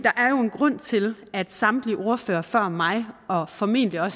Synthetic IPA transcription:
d̥ɑ̈ʔæɐjo̝e̝nɡ̥ʁɔ̽n̰t͡sʰe̝læd̥sɑ̈md̥liʔo̝ɐføːɐfɶɐ̰mɑ̈ɪɒ̽fɒ̽me̝̰ːn̰d̥liɒ̽s

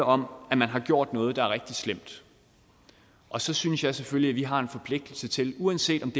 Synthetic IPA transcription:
ɒ̽mæmænɦɑ̈ɡ̥jo̝ɐ̰d̥nɔ̽ːð̞̩ˠd̥ɑ̈æɐʁɛɡ̥̚d̥islem̰d̥ | ʔɒ̽sɒ̽synəsjɑ̈ɪseføljiæʋiɦɑ̈e̝nfɒ̽pʰle̝ɡ̥̚d̥l̩sət͡sʰe̝luænse̝̰ːd̥ɒ̽md̥e

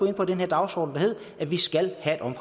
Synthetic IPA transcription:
oe̝n̰pʰɒ̽d̥enheɐd̥ɑ̈ʊsɒ̰ːd̥n̩dɑ̈ɦe̝ð̞̰ˠ | æʋisɡ̥ælhæe̝ɾ̥ɒ̽mʰ

